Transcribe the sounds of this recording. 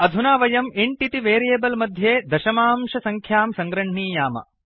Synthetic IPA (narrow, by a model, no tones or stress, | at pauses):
ɐd̪ʱunaːʋɐjɐmiɳʈit̪iʋeːɾijeːbɐlmɐd̪ʱjeːd̪ɐʃɐmaːmʃɐsɐŋkʰjaːmsɐŋɡɾɐɳɳiːjaːmɐ̰